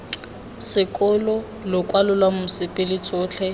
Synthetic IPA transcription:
sɪkʼʊlɔ | lʊkʼwalʊlwamʊsɪpʼɪlɪt͡sʼʊːt͡ɬʰɛ

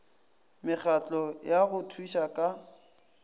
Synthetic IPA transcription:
mɪk͡xʰat͡ɬʼɔjaɣʊtʰwiʃakʼa

